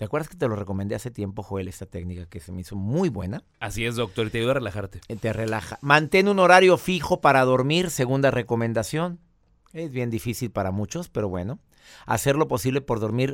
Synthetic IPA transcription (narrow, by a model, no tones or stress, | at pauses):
t̪eakwe̞ɾðasket̪e̞lo̞re̞ko̞mend̪e̞ase̞t̪je̞mpo̞xoe̞le̞st̪at̪e̞knikakesemeiso̞mujβwe̞̰na | asiezðok̚t̪oɾit̪eajuðoarelaxaɾt̪et̪ere̞laxamãnt̪e̞nũno̞ɾaɾjo̞fixo̞paɾaðo̞ɾmiɾse̞ɣund̪are̞ko̞mẽ̞nd̪asjon | e̞zβje̞nd̪ifisilpaɾamut͡ʃo̞spe̞ɾo̞βwe̞̰no̞ | a̰se̞ɾlo̞po̞siβle̞po̞ɾðo̞ɾmiɾ